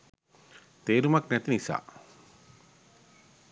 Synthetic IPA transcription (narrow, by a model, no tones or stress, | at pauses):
t̪eːɾumaknɛt̪inisa̰ː